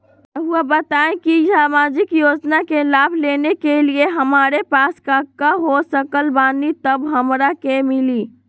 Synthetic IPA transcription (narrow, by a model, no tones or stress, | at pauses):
əuabət̪aẽkisamad͡ʒikjod͡ʒnakelabʱlenekelieɦəmaɾepaskakːaɦosəkəlbanit̪əbɦəmɾakemili